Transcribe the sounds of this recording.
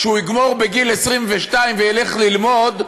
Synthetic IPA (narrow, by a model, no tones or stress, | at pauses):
ʃeuiɡmo̞ʁbeɡilesʁimveʃtaimvejeleχlilmod̪